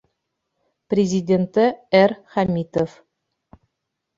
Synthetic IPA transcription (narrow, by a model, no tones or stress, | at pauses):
prʲezʲidʲent̪ɘerχamʲit̪of